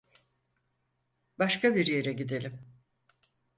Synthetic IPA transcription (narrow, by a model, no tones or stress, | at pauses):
baʃkʰabiɾje̞ɾɛɟid̪e̞lʲim